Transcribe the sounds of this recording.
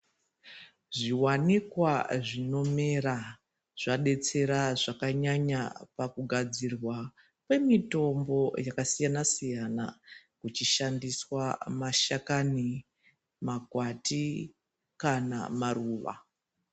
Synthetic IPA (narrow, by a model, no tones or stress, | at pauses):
ʐiwanikwaʐino̞me̞ra | ʐ̥aɗe̞t͡se̞ɾaʐakaɲaɲapakuɡʱad͡zirwa | pe̞mito̞mbo̞jakasijanasijana̰kut͡ʃiʃandiswamaʃakani | makwati | kana̰maruːʋa̰